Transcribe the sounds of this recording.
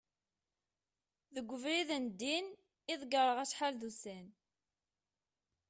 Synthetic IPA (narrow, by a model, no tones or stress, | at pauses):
ðəɡʷːəvɾiðənd̪ːin | iðɡəɾˤəʁæsħalðusæn